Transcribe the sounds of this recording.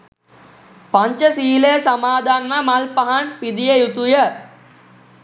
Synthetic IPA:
paɲt͡ʃəsiːləjəsamaːd̪ʱanmamalpaɦanpid̪ijəjut̪ujə

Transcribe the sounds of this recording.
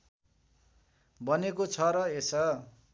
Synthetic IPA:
bʌnekot͡sʰʌɾʌesʌ

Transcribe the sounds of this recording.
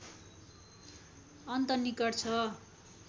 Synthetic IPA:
ʌnt̪ʌnikʌrt͡sʰʌ

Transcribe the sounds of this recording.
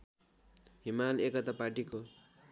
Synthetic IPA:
ɦimalekʌt̪apaʈiko

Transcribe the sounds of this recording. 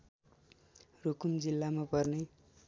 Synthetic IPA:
rukumd͡zilːamapʌrne

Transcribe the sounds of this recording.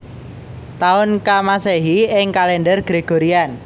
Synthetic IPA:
t̪aʊnkamaseɦiɪŋkalɛnɖərɡ̥ɾeɡ̥oɾian

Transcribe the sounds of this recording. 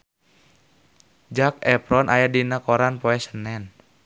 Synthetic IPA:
d͡ʒakɛpɾɔnʔajadinakɔɾanpɔɛsənɛn

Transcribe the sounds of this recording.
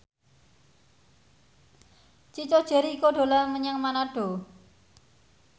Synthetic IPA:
t͡ʃit͡ʃod̥ʒ̥ɛ̤ɾiːkoɖ̥o̤laməɲaŋmanaɖ̥o̤

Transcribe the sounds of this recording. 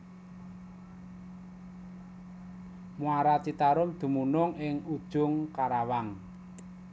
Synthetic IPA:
muaɾat͡ʃit̪aɾʊmd̪̥ṳmunʊŋɪŋud̥ʒ̥ʊŋkaɾawaŋ

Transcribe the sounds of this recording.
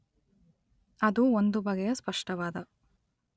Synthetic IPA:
ɐd̪uond̪ubɐɡɛjɐspɐʂʈɐʋaːd̪ɐ

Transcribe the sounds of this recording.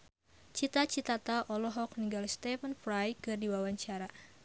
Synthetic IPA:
t͡ʃit̪at͡ʃit̪at̪aʔɔlɔɦɔk̚niŋɡalst̪ɛfənfɾajkɨrdiwawaɲt͡ʃaɾa

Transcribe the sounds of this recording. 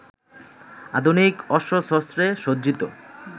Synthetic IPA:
a̰d̪ʱunikɔʃoʃɔst̪ɾeʃodd͡ʑit̪o

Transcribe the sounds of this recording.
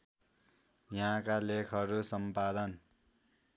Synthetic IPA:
jãkalekʰʌɾusʌmpad̪ʌn

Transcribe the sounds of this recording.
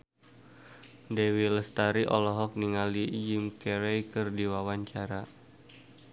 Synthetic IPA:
dewiləst̪aɾiʔɔ̰lɔɦɔk̚niŋalijimkɛɾɛjkɨrdiwawaɲt͡ʃaɾa

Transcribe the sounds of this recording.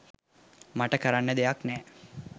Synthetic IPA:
maʈəkəɾanːəd̪ejaknɛː

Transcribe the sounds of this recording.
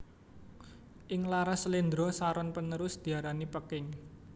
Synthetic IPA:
ʔɪŋlaɾasəlind̪ɾɔsaɾɔnpənəɾʊsd̪̥i̤aɾanipəkɪŋ

